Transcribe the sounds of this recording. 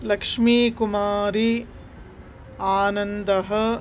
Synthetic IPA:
lɐkʂmiːkumaːɾi | aːnɐnd̪ɐɦɐ

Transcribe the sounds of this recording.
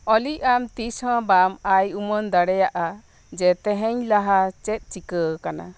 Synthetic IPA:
ɔliʔ̚amt̪ishɔ̃bamajumɔnd̪aɽɛjaʔa | d͡ʒɛt̪ɛɦɛɲlaɦat͡ʃɛt̪̚t͡ʃikəkana̰

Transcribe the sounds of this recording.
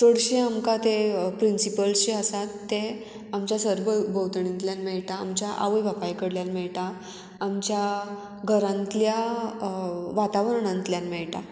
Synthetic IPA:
t̪oɽɕeamkat̪epɾinsipəlɕiəsat̪ːe | amt͡ɕjasəɾbəbəwt̪ɳĩnt̪ljanmɛɭʈa̰ːmt͡ɕjaʔa̰ʋəjʋapajkəɽljanmɛɭʈaː | mt͡ɕja | ɡʱəɾãnt̪lja | ʋat̪aʋəɾɳãnt̪ljanmɛɭʈa

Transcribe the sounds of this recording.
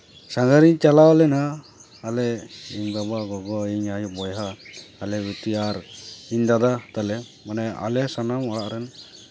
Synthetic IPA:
saŋɡaɾiɲt͡ʃalawlɛnaː | lɛiɲbabaɡɔɡɔiɲajubɔjɦaːlɛbut̪iaɾiɲd̪ad̪at̪alɛ | manɛa̰lɛsanamɔɽaʔɾɛn

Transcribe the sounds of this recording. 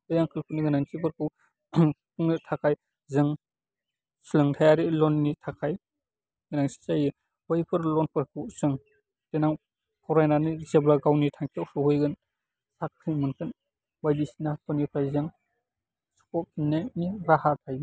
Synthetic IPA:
ɯjaŋkʰɯlkʰuniɡɯnaŋsibɯɾkʰɯw | kʰuŋnitʰakʰaj | zɯŋ | silɯŋtʰajaɾilɔnːitʰakʰaj | ɡɯnaŋsi̥zajɯ | hɔjpʰɯɾlɔnpʰɯɾkʰuwz̥ɯŋ | tenaŋ | kʰɔwɾajnanizeblaɡawnitʰaŋkʰewsuhojɡɯn | sakʰɾimɯnkʰɯn | wajdisinapʰɔnipʰajzɯŋ | su̥kɔp̚inːaniɾahatʰaj

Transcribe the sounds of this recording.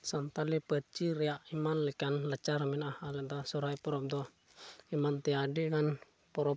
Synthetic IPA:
sant̪alipət͡ʃiɾɛaʔimanlikanlət͡ʃaɾminahalɛd̪asuɾaipɔɾɔp̚d̪ɔ | imant̪iadikan | pɔɾɔp̚

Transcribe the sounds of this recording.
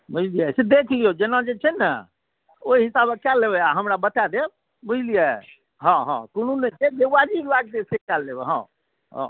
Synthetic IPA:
bud͡ʒlijɛsed̪ekʰlijod͡ʒenad͡ʒet͡ʃʰɛnə | oiɦisabekːɛlːeβɛaɦəmɾabət̪ad̪e | bud͡ʒlijɛ | ɦə̃ɦə̰̃kununed͡ʒed̪ead͡ʒiklak̚d̪esekɛlːebɛɦə̰̃ | ɦɔ̰̃

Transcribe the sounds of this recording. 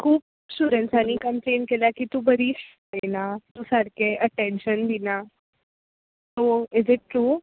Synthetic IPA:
kʰuːp̚ | ɕuɾənsaniːkəmplenkeljakit̪ubəɾiːs | enat̪usaɽkeʔəʈẽnɕənd̪ʱina | soɪzɪʈːɾuː

